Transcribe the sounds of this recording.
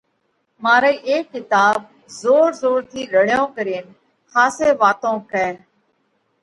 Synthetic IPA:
maːɾeːʔeːkːɪt̪aːb̚ | zoːɾzoːɾt̪ʰiːɗəɽjõːkəɾeːn | kʰaːseːʋaːt̪õːkɛː

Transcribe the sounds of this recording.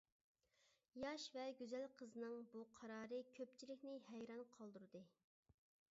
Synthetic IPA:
jɑʃvɛɡʲyzælqʰəzɨnɨŋbuqʰɑɾɑːɾɨkʲʰøpt͡ʃʰilɪkʲnɪhɛjɾɑnqʰɑlˠd̪uɾɨd̪ɨ

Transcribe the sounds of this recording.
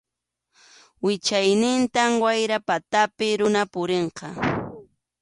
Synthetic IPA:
wɪt͡ʃajnɪnt̪amwajɾapat̪apɪɾʊnapʊɾeɴqɑ

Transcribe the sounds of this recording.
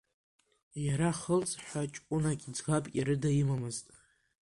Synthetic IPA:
jaɾaχəlt͡sʼħʷat͡ʃʼkʷʼʊnakʲʼid͡zɡapʼkʲʼiɾɨdajimamɨztʼ

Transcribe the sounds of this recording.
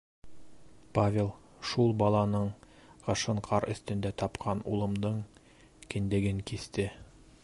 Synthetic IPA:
pavʲelˠ | ʃulˠbɑlˠɑnɤɴ | qɤ̆ʃɤɴqʰɑɾɵ̆θt̪ɵ̆nd̪æt̪ɒpqʰɑnṵlˠɤ̆md̪ɤɴ | kɘ̆nd̪ɘ̆ɡɘŋkist̪ɘ

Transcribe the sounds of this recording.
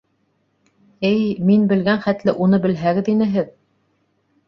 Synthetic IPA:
ɘjminbɘ̆lɡænχæt̪lɘʔunɤbɘ̆lɦæɡɘ̆ðinɘɦɘð

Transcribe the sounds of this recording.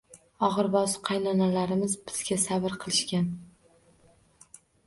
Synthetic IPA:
ɒʁɨɾbɒzqʰɑjnɒnalaɾɪmɪzbɪz̥ɡʲasabɪɾqʰɨlˠɪʃkʲan

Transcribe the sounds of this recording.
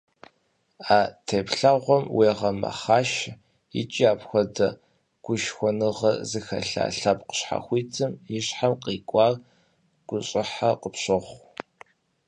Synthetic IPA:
aːtʰeːpɬɐʁʷɔmwʔeːʁɐmɐ̰χaːʃ | ḭt͡ʃʼiaːpxʷɔdɐ | ɡ̥ʷʊʃxʷɔnɨʁɐzɨxɐ̰ɬa̰ːɬɐp̚ʼqə̥ɕħa̰xʷiːtʰɨmjɪɕħamqiːkʷʼɑːr | ɡ̥ʷʊɕʼɪħaqəpɕʼɨʁʷ

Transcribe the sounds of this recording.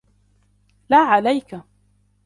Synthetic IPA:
laːʕalajka

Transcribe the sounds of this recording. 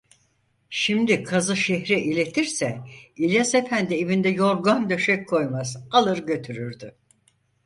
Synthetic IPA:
ʃimd̪ikʰazɯʃeɦɾɛʔilʲe̞t̪ʰiɾsɛilʲjasefænd̪ievind̪ɛjo̞ɾɡand̪ø̞ʃɛckʰo̞jmazalˠɯɾɟø̞t̪ʰyɾyɾd̪y

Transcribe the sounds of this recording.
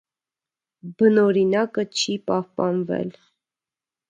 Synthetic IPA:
bənɔɾinɑkət͡ʃʰipɑhpɑnvɛ̰l

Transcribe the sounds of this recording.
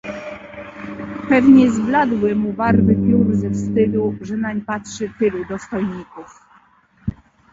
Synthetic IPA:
pɛvɲɛzblad̪wɘmubaɾvɘpʲjuɾzɛfst̪ɘluʐɛnaɲpatʂɘt̪ɘlud̪ɔst̪ɔjɲikuf

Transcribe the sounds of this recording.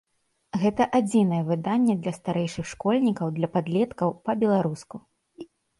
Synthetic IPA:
ɣɛt̪ɐʔad͡zʲinɐjɛvɨd̪anʲːɛd̪lʲɐst̪aɾɛjʂɨxʂkɔlʲnʲikɐwd̪lʲɐpad̪lʲɛt̪kɐwpɐbʲɛlˠaɾusku

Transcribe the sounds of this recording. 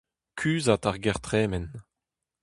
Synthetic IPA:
kʰyːzat̪aʁɡɛʁt̪χɛːmɛn

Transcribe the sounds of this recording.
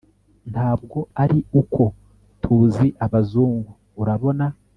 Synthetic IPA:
nhaːb̚ɡo̞aɾiukʰo̞ | tʰuːziʔaβazuːŋɡuːɾaβo̞na

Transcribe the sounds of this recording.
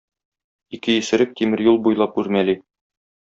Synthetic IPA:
ikɘjɘ̆sɘ̆ɾɘk̚t̪imɘ̆ɾjulˠbujlˠɑpʉɾmæli

